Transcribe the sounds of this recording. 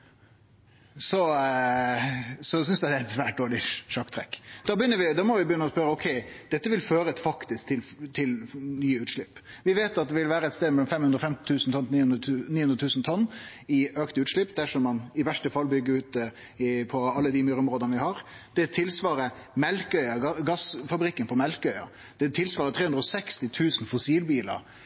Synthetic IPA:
sɔ | sɔs̬ʏnsd̪ɛɪd̪ɛæɪɛt̪sʋæːʈ̚d̪oːɭɪʂɑkt̪ʰɾɛkːd̪ɑbəjʏnːəʋɪd̪ɑːmɔʋɪbəjʏnːəɔspœɾəɔkʰɛɪd̪̥ɛt̪ːəʋɪlføːɾəfɑkt̪ɪsk̚t̪ʰɪlt̪ʰɪlnyːəʉːt̪ʂɭɪpː | ʋɪʋeːt̪ɑt̪̚d̪ɛʋɪlʋæːɾəɛt̪st̪eːd̪mɛlːɔmfɛmhʉnd̪ɾɔfɛmt̪ɪ̥t̪ʰʉːsn̩t̪ʰɔnniniːhʉnd̪ɾət̪ʰʉːsn̩t̪ʰɔnː | ɪøːkt̪əʉːt̪ʂɭɪpːd̪æʂɔmːɑnɪʋæʂʈəfɑlːbʏɡːəɾʉːt̪̚d̪ɛ | ɪpʰɔɑlːəd̪ɪmyːɾəɔmɾoːd̪ənəʋɪhɑɾ | d̪̥ɛt̪ʰɪlsʋɑːɾəmɛlkœʏɑɡɑɡɑsfɑbɾɪkːənpʰɔmɛlkœʏɑ̰ | d̪̥ɛt̪ʰɪlsʋɑːɾət̪ʰɾeːhʉnɾɔsɛkst̪ɪt̪ʰʉːsn̩fʊsiːlbiːlɑ̰ɾ

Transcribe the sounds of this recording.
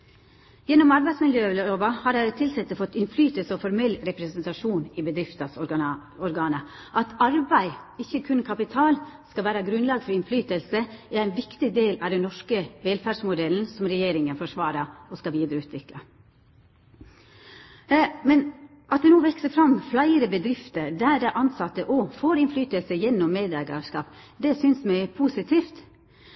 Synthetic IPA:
jɛnːɔmɑɾbæɪsmɪljøːloːʋɑhɑɾæd̪ɛt̪ʰɪlsɛt̪ːəfɔt̪ːɪnflyːt̪əlsəɔfɔɾmɛlːɾɛpɾɛsənt̪ɑʂuːnɪbəd̪ɾɪft̪ɑsɔɾɡɑːnə | ʔɑt̪ʰɑɾbæɪɪçːəkʰʉnkʰɑpɪt̪ʰɑːlskɑʋæːɾɑɡɾʉnlɑːɡfɔɾɪnflyːt̪əlsəææɪnʋɪkt̪ɪd̪eːlɑʋd̪ɛnnɔʂkəʋɛlfæʂmʊd̪ɛln̩sɔmɾɛjeːɾɪŋənfɔʂʋɑːɾəɔskɑʋiːd̪ɾəʉːt̪ʋɪklɑ̰ | mɛn | ʔɑt̪̚d̪ɛnuːʋɛksəfɾɑmflæɪəɾəbəd̪ɾɪft̪əɾd̪æːd̪ɛʔɑnsɑt̪ːəʔɔfoːɾɪnflyːt̪əlsəjɛnːɔmːeːd̪æɡɑ̰ʂkɑ̰ːp | d̪ɛsʏnsmæɪpʰuːsɪt̪ʰiːft̪

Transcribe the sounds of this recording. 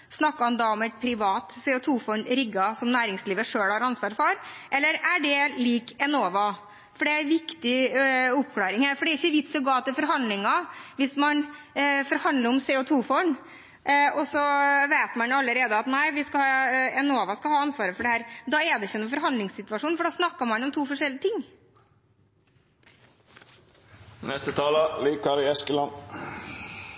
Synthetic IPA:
snɑkːɑɑnd̪ɑɔmɛt̪̚pʰɾɪʋɑːt̪sɛːʊt̪ʰuːfɔnɾɪɡɑsɔmnæːɾɪŋsliːʋəʂøːɽhɑɾɑnsʋɑːɾfɔɾʔɛlːəɾæɖɛliːkɛnoːʋɑ | fɔɖɛæʋɪkt̪ɪʊp̚ːkʰlɑːɾɪŋhæːɾfɔɖɛɾɪçːəʋɪt̪sɔɡɑːt̪ɪlfɔɾɦɑnd̪lɪŋɑʋɪsmɑnfɔɾhɑnd̪ləɾɔmsɛːʊt̪ʰuːfɔɳ | ɔsɔʋeːt̪mɑnɑlːəɾeːd̪əɑt̪næɪʋɪskɑhɑːɛnoːʋɑskɑhɑːɑnsʋɑːɾəfɔɖɛhæːɾd̪ɑːɛd̪ɛɪçːənʊfɔɾɦɑnɪŋssɪt̪ʋɑʂuːnfɔɖɑːsnɑkːɑmɑnɔmt̪ʰuːfɔʂɛlɪət̪ʰɪŋː | nɛst̪ət̪ʰɑːləliːkɑɾɪɛskəlɑn

